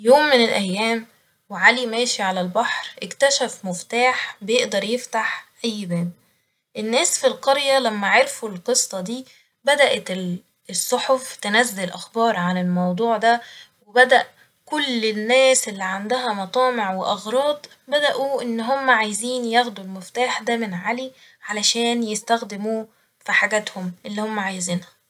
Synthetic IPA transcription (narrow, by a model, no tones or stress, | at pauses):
joːmːɪnelʔæjːæːm | weʕalimæːʃiʕalælbɑħɾʔekt̪æʃæfmʊft̪aːħbejeʔd̪ɑɾˤjeft̪aħʔæjːbæːm | ʔenːæːsfilqɑɾjælæmːæʕeɾfulqɨsˤːɑd̪iː | bæd̪æʔæt̪ | esˤːoħoft̪enæzːelʔæxbɑːɾˤʕanelmɑwd̪ˤuːʕd̪æwebæd̪æʔ | kolːenːæːsʔelːiʕand̪æɦæmɑt̪ˤɑːmeʕweʔɑɣɾˤɑːd̪ˤ | bæd̪æʔuʔenːɦomːæʕajziːnjæɣd̪ulmeft̪aːħd̪æmenʕali | ʕalæʃæːnjest̪æxd̪emuː | fiħaɡæːt̪homʔelːiːhomːæʕajziːnhæ